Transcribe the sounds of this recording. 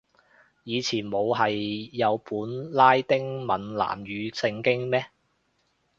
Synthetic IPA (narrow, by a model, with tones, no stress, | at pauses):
jiː˨˧t͡sʰiː˨˩nmo˨˧wɦɐ˨jːɐ˨˧wpuː˨˥nlaː˥jt̪ɪ˥ŋmɐ˨nla̰ː˨˩mjyː˨˧sɪ˧ŋkɪ˥ŋmɛː˥